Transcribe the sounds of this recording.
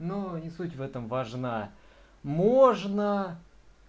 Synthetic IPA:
nonʲɪsutʲvɛt̪əmvɐʐna | moʐnə

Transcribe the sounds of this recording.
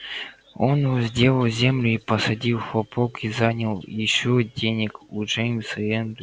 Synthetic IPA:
onvɔzʲdʲe̞lˠəlˠzʲe̞mlʲʊipəsɐdʲilˠxɐpokizanʲəlˠjɪɕːodʲenʲɪkuʐejmʲsɨɛnd̪

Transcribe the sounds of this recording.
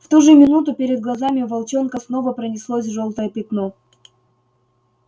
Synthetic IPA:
ft̪uʐɨmʲɪnut̪ʊpʲɪɾʲɪd̪̚ɡlˠɐzamʲɪvɐlˠt͡ɕonkəsno̞vəpɾənʲɪslˠosʲʐolˠt̪əjəpʲɪt̪no

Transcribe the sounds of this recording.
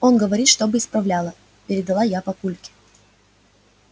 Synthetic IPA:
o̞nɡəvɐɾʲit̪ʂt̪o̞bɨɪspɾɐvlʲalˠə | pʲɪɾʲɪd̪ɐlˠajapɐkulʲkʲɪ̥

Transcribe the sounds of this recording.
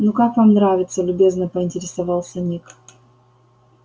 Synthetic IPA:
nukakvamnɾavʲɪt̪səlʲʊbʲe̞znəpəɪnʲtʲɪɾʲɪsavɑlˠsʲənʲik

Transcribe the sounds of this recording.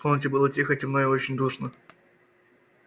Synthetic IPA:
ontʲɪbɨlˠətʲixətʲmnojɪot͡ɕɪnʲd̪uʂnə

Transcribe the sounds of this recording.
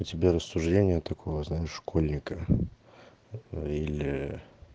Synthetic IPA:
ʊtʲɪbʲeɾəsːʊʐdʲenʲɪjət̪ɐkʰo̞vəznaɪʂʂkolʲnʲɪkə | ilʲɪ

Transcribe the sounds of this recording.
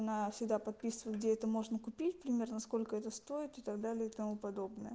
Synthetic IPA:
ɐnafsʲɪɡd̪apɐt̪̚pʲisɨvəɨɪt̪̚ɡ̚dʲeɛt̪əmo̞ʐnəkʊpʲitʲpɾʲɪmʲe̞rnəɐsko̞lʲkəɛt̪əst̪o̞ɪt̪ɨt̪ɐɡd̪alʲɪjəɪt̪ɐmupɐd̪o̞bnɨjə

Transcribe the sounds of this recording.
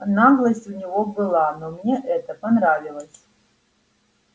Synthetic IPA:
naɣlˠɐsʲtʲunʲivobɨlˠanomnʲeʔɛt̪ɐpɐnɾavʲilˠɐsʲ

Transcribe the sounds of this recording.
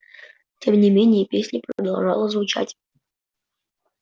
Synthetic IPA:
tʲʰemnʲɪmʲenʲɪjəpʲesʲnʲɪprəd̪ɐlˠʐa̰lˠəzvʊt͡ʃa̰tʲ

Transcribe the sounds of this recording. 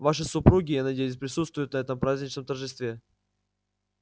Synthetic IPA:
vaʂɨsʊpɾuɡʲɪjanɐdʲejɪs̬ʲpɾʲɪsut̪st̪vʊjʊt̪nɐɛt̪əmpɾazʲnʲɪt͡ɕnəmt̪ərʐɨst̪vʲe

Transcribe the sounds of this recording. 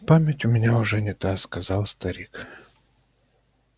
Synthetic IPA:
pamʲɪtʲʊmʲɪnʲaʊʐɛnʲɪt̪askɐzalˠst̪ɐɾʲik

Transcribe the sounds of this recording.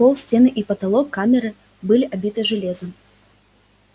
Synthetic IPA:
pɔlˠsʲt͡sʲenɨʔipɐt̪alˠɔkːamʲɪɾɨ | bɨlʲiʔabʲit̪ɨʐɨlʲezɐm

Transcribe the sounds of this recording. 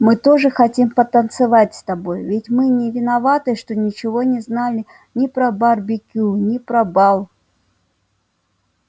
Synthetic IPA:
mɨt̪o̞ʐɨxɐtʲimpət̪ənt̪sɨvatʲst̪ɐbo̞jvʲɪtʲmɨnʲɪvʲɪnɐvat̪ɨʂt̪onʲɪt͡ɕɪvo̞nʲɪznalʲɪ | nʲɪpɾɐbarbʲɪkʲunʲɪpɾɐbalˠ

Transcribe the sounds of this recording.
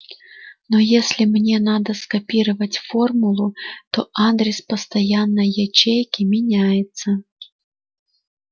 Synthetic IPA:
nojesʲlʲɪmnʲenad̪əskɐpʲiɾəvətʲformʊlˠʊt̪oʔad̪ɾʲɪspəst̪ɐjanːəjɐt͡ɕejkʲɪmʲɪnʲajɪt̪sə

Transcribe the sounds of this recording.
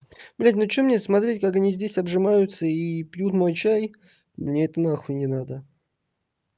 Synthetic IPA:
b̥lʲætʲnot͡ɕomnʲesmɐt̪ɾʲetʲkakɐnʲizʲdʲesʲɐbʐɨmajʊt̪səipjut̪mo̞jt͡ɕæj | mnʲeɛt̪ənaxvənʲɪnad̪ə

